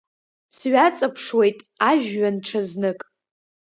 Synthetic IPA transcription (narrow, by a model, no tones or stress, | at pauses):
sɥat͡sʼapʰʂwe̞jtʼaʒᶣɥanʈ͡ʂʰaznɨkʼ